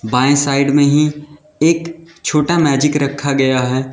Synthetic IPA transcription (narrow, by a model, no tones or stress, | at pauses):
bãːsaːɪɖmẽɦi | eːk | t͡ʃʰoːʈamɛːd͡ʒɪkɾɐkʰːaɡɐjaɦɛː